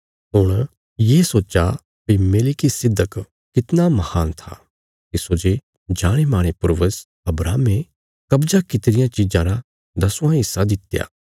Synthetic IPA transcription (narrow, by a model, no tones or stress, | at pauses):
ɦʊɽ̃ | jeːsoːt͡ʃa | pimeːlɪkisɪd̪ʱːək | kɪt̪namɐhaːnt̪ʰa̰ | kisoːd͡ʒe | d͡ʒaːɽ̃emaːɽ̃epʊɾʋəs | ɐbɾaːme | kɐbd͡ʒakɪt̪ɾɪjãt͡ʃiːd͡ʒãɾa | d̪ɐsʊ̃ãɦɪsːad̪ɪt̪ja̰ː